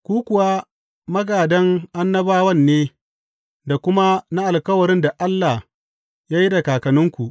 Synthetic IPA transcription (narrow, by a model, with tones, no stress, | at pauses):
kʷuː˦kʷʊ˨wa˦ | mɐ˦ɡaː˨dɐ˦ŋʔa˦nːɐ˦baː˦wɐ˦˨nːeː˦ | da˨kʷʊ˦ma˦na˦ʔa˨lkɐ˦wɐ˨ɾɪ˦nda˨ʔa˦lːa˨h | jaː˦ji˦da˨kaː˨kɐ˨nʊ˦ŋkʷu˨ʔ